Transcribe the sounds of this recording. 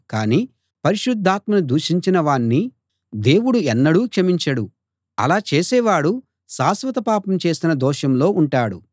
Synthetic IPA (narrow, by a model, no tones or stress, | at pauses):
kaːniː | pɐɾiʃud̪ʱːaːt̪mɐnud̪uːʂiɲt͡ʃinɐʋaːnːi | d̪e̞ːwuɽuɛnːɐɽuːkʂɐmiɲt͡ʃɐɽu | ɐ̰laːt͡ʃe̞ːsɛːʋaːɽu | saːsʋɐt̪ɐpaːpɐmt͡ʃe̞ːsinɐd̪ɔːʃɐmlo̞ːʔuɳʈaːɽṵ